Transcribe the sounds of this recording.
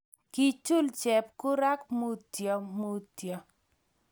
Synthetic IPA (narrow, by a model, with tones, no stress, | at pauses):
ki˨t͡ʃu˦lt͡ʃɛ˨p̚kʊ˦ɾa˦kmo˦tjɔ˨mo˦tjɔ˨